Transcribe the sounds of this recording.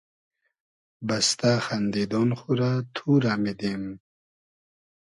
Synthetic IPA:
bast̪axand̪id̪ɔnxuɾat̪ʰuɾamid̪em

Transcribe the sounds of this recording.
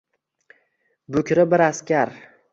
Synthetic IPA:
bʊkʲʰɾɪbɪɾaskʲaɾ

